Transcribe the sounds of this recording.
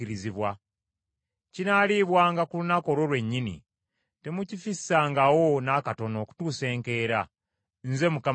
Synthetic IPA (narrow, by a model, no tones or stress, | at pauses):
iɾiziβwa | cinaliβwaːŋɡakulunako̞lo̞lwe̞ɲːinḭ | te̞mucifisːaːŋɡawo̞nakato̞no̞ːku̥tuːse̞ːŋke̞ːɾa | nze̞muka